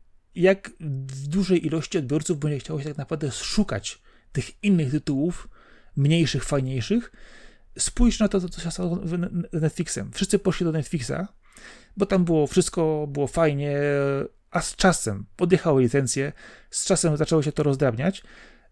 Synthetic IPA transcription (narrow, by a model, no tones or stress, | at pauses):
jakvd̪uʐɛjʔilɔɕt͡ɕiɔd̪bʲjɔɾt̪suvbɛɲd͡ʑɛxt͡ɕawɔɕɛt̪aknapɾavd̪ɛsʂuka̰t͡ɕ | t̪ɘxinːɘxt̪ɘt̪uwufmɲejʂɘxfajɲejʂɘx | spujʂnat̪ɔɔt̪sɔɕɛst̪awnɛt̪fʲliksɛmfʂɘst̪sɘpɔʂlʲid̪ɔnɛt̪fʲliksa̰ | bɔt̪ambɘwɔfʂɘst̪̚kɔbɘwɔfajɲɛ | ʔast͡ʂasɛmpɔd̪jɛxawɘlʲit̪sɛnt̪sʲjɛst͡ʂasɛmzat͡ʂɛwɔɕɛt̪ɔɾɔzd̪ɾabɲat͡ɕ